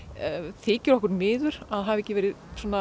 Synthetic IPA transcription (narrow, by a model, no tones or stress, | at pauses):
θɪːcʏɾɔhkʏɾmɪːðʏɾ̥aðɦavɛhcːɪvɛːɾɪðsɔːna